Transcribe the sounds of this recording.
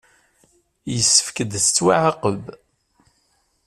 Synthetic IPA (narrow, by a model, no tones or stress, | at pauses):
jəsːə̥fkəd̪st͡sːwaʕaqəb